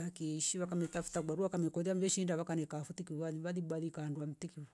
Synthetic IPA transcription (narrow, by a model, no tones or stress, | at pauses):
akiʃiwakamɛtafu̥taɡaɾuakamɛkɔðiam̩d͡ʒɛʃindaβakanɛkafutikiaiβaðibaðikaːnduam̩tiki